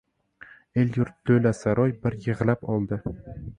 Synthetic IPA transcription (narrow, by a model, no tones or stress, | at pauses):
eljʊɾt̪̚ːɵjlasaɾɒjbɪɾjɪʁlˠapɒlˠd̪ɪ